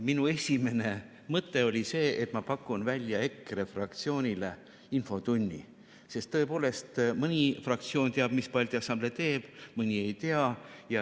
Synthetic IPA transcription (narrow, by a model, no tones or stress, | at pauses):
minue̞sʲime̞ne̞ | mɤt̪ːe̞o̞lʲise̞ːʔet̪ˑmɑpɑkːˑunvælʲjɑe̞kːɾe̞frɑkt̪sio̞ːnʲile | info̞t̪unʲːḭ | se̞st̪ːɤ̞e̞po̞ːle̞st̪mɯnʲifrɑkt̪sio̞ːnt̪eɑb̥mispɑlʲt̪iɑsɑmble̞t̪e̞ːb̥mɯnʲie̞jt̪e̞ɑjɑ